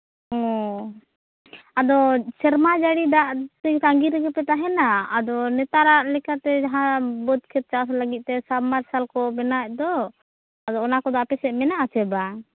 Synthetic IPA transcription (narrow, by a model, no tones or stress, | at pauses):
ɔ | ad̪ɔsɛɾmad͡ʒaɽid̪aʔt̪ɛɲkaŋɡiɾɛɡɛpɛt̪aɦɛnaad̪ɔnɛt̪aɾaʔlɛkat̪ɛd͡ʒaɦãbɔd̪̚kʰɛt̪̚t͡ʃasləɡit̪̚ˀt̪ɛsabmaɾsalkɔbɛnac̚d̪ɔ | ad̪ɔːnakɔd̪ɔapɛsɛmɛnaʔat͡ʃɛba